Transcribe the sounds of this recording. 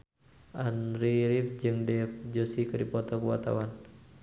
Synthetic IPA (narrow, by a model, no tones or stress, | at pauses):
ʔanɾiɾip̚d͡ʒɨŋdɛp̚d͡ʒosikɨdipɔt̪ɔkuwat̪a̰wan